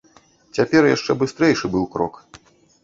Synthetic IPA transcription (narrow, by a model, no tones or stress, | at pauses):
t͡sʲapʲɛɾjaʂt͡ʂɛbɨst̪ɾɛjʂɨbɨwkɾɔ̰k